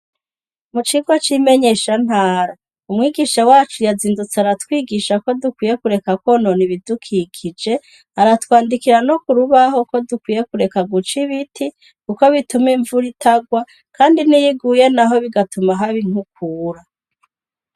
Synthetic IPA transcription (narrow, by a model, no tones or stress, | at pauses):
mut͡ʃiɡwat͡ʃime̞ɲe̞ːʃan̥haːɾa | umŋiːɡiːʃawaːt͡ʃujaziːndut͡seaɾatwiːɡiːʃako̞dukwiːje̞kuɾe̞kakwono̞niβidukʰikʰid͡ʒe̞ | aɾatwaːndikiɾano̞kuɾuβaɦo̞ko̞dukwiːje̞kuɾe̞kaɡut͡ʃiβitʰi | kuko̞βitumiɱvuɾitʰaɡwa | kʰaːndinijiɡuːje̞naɦo̞βiɡatumaɦaβiŋ̥huk̚uːɾa